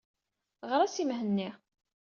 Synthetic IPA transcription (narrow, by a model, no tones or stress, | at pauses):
ʁəɾæsimɦənːi